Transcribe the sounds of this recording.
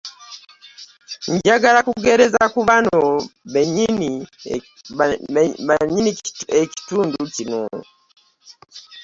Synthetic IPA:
ɲɟaɡalakuɡeɾezakuβanoβeɲini | βaɲinieki̥tuːnducino̰

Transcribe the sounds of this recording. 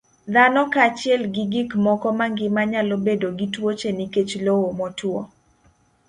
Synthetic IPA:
d̪anɔkat͡ʃɪɛlɡɪɡikmɔkɔmaŋɡɪmaɲalobedoɡitwot͡ʃeniket͡ʃlowomɔtwo

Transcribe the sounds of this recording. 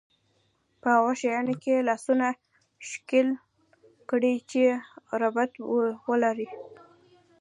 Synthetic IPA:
pəhawaʃajɑnokelɑsuna | ʃkɪl | kɽit͡ʃeɾabat̪wəlaɾi

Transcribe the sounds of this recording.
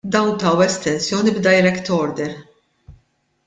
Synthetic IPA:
d̪ɐwnt̪ɐwɛst̪ɛnsjɔːnibd̪ɐjɾɛkt̪ɔːɾd̪ɛɾ

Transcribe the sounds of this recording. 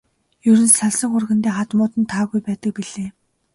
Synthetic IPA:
jɵɾɵ̆nsaɮsə̆ŋʊrɣɘ̆nt̪eːχat̪mʊːt̪ə̆nt̪ʰaːɣujpæːt̪ə̆k̚piɮeː

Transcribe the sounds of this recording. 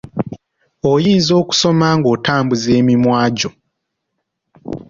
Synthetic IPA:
ojiːnzo̞ːku̥so̞maŋɡo̞ːtaːmbuze̞ːmimwaːɟo̞

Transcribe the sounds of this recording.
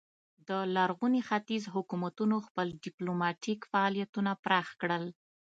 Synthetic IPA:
d̪əlaɾɣunixat̪izɦʊkumat̪unoxpəlɖiplomɑʈikfaɑlijat̪unapɾɑxkɽəl

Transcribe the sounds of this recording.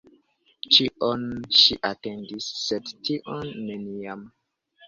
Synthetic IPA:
t͡ʃiʔonʃḭʔate̞ndisːedtiʔonːe̞niam

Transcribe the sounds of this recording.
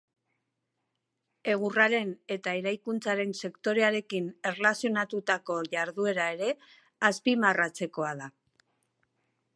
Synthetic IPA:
e̞ɣ̞uraɾe̞ne̞t̪ae̞ɾajkunt͡saɾe̞nse̞kt̪o̞ɾe̞aɾe̞kine̞rlasio̞nat̪ut̪ako̞ʝaɾðue̞ɾae̞ɾe̞ | aspimarat͡se̞ko̞aða

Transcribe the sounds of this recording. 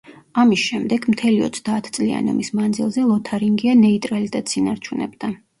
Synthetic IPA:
amisʃɛmd̪ɛɡmt̪ʰɛliɔ̰t̪sʰd̪aːt̪ʰt̪sʼlia̰nɔ̰mismand̪zilˠzɛlˠɔt̪ʰaɾiŋɡianɛit̪ʼɾalit̪ʼɛt̪sinaɾt͡ʃʰunɛ̰bd̪̥a

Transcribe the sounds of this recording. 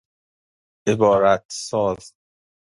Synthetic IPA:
ʔebɒːɾæt̪ʰsɒːz

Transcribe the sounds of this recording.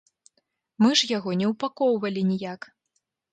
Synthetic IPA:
mɨʐjaɣɔnʲɛwpakɔwvɐlʲinʲijak

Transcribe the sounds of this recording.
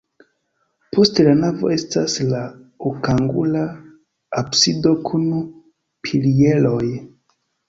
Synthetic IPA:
pʰo̞stelanavo̞̰e̞staslaokaŋɡṵlaː | psido̞kʰunu | pʰilieloj

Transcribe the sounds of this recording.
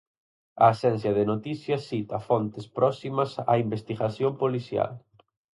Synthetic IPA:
ɐːsɛnθjɐðenot̪iθjɐsit̪ɐfɔnt̪ɪspɾɔsimɐsa̰imbest̪iɣaθjompoliθja̰l

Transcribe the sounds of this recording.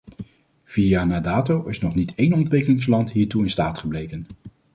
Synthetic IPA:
v̥ianaːdaːtowɪsnɔχnitejnɔntʋɪkəlɪŋslɑntɦiːɹtuɪnstaːtχəblejkən

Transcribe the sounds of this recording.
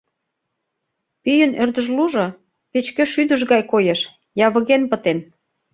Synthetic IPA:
pyjə̆nørd̪ə̆ʒluʒɤ̆ | pet͡ɕkə̆ʃyd̪ə̆ʒɣɑjkojeʃ | jɑβɤ̆ɣenpə̆t̪en

